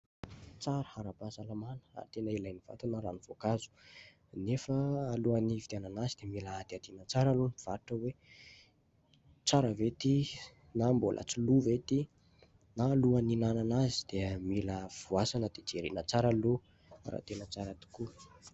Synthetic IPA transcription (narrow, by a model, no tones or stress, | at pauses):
t͡saɾə̥haɾapasalamanə̥a̰ɾit̪enəilajniv̥a̰t̪unəɾanivokazu̥ | nefəːluanivit̪eananazid̪̥emilaad̪̥iad̪inət͡saɾalunv̥aɾuʈ͡ʂəwe | t͡saɾəvet̪i | nambolʔə̰t͡suluvet̪i | naːluaninananazi̥d̪̥eəmiləv̥uasanəd̪̥ed͡ʒeɾḭnət͡saɾalu | ɾa̰t̪enət͡saɾat̪i̥ku